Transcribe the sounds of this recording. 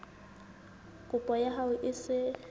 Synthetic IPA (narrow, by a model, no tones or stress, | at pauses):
kʼʊpʼɔjaɦaʊʔɪsɪ